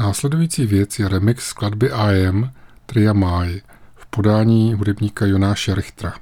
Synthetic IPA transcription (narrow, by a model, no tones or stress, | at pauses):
naːslɛdujiːt͡siːvjɛt͡sjɛɾɛmɪksːkladbɪʔajɛmt̪ɾɪjamaj | fpo̞daːɲiːɦudɛbɲiːkajonaːʃɛɾɪxt̪ɾa